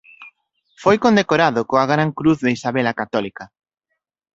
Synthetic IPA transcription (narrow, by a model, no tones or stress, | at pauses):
fojkond̪ekoɾaðokoaɣɾaŋkɾuθðeisaβɛlakat̪ɔlika